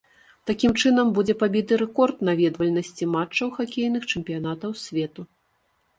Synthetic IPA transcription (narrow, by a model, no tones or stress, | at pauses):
t̪akʲimt͡ʂɨnɐmbud͡zʲɛpabʲid̪ɨɾɛkɔrt̪navʲɛd̪vɐlʲnɐsʲt͡sʲimat͡ʂːɐwxakʲejnɨxt͡ʂɛmʲpʲijan̪at̪ɐwsʲvʲɛt̪u